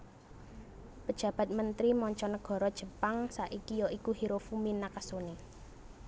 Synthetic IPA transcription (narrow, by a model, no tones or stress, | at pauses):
pəd̥ʒ̥ä̤b̥a̤t̪̚mənt̪ɾimɔɲt͡ʃɔnəɡ̥ɔ̤ɾɔd̥ʒ̥ə̤paŋsaʔikijɔʔikuɦiɾofuminakasoni